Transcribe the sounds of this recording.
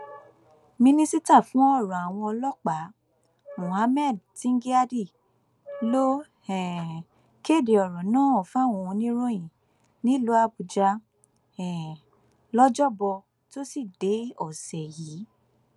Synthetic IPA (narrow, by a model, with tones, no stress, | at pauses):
mĩ˧nĩ˧si˦ta˦˨fũ˨˦ɔ˦˨ɾɔ̃˨a˨w̃ɔ̃˧ɔ˧lɔ˦k͡pa˨˦ | mõ˨ha˨˦mɛ˦˨d̚ti˦ŋ̩˦ɡi˦a˦di˦˨ | lo˦ | ɛ˨ | ke˦˨de˨ɔ˨ɾɔ̃˨nãː˦˨ɔ˨fa˦˨wɔ̃˧nĩ˦ɾõ˦j̃ĩ˨ | nĩ˦lo˨˦a˧bu˨d͡ʒa˧ | ɛ˨ | lɔ˦d͡ʒɔ˦bɔ˧ | to˦si˦˨de˨˦ɔ˨sɛ˨jiː˨˦